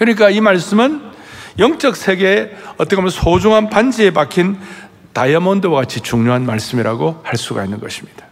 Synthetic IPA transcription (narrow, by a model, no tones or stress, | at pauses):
kɯɲik̬͈aimaɭs͈ɯmɯnjʌŋt͡ɕ͈ʌk̚sʰe̞ɡe̞ʌt͈ʌkʰamjʌnsʰod͡ʑuŋɦanpand͡ʑiepakʰin | tajʌmʌndowaɡat͡ɕʰit͡ɕuŋɲoɦanmaɭs͈ɯmiɾaɡohaɭs͈uɡa̰inːɯnɡʌɕʰi̥mɲid̥ḁ